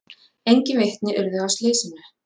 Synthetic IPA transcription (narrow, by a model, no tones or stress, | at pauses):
ejɲcɪvejht̪nɪʔʏɾðʏast̪lɪːsɪnʏ